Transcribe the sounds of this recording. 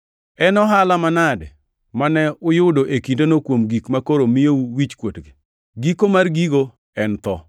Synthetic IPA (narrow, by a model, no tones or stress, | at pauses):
ɛnɔɦalamanadɛ | manɛʊjʊdoʔekindonokwomɡikmakoɾomɪjouwit͡ʃkwotɡɪ | ɡikomarɡiɡo | ɛnt̪ɔ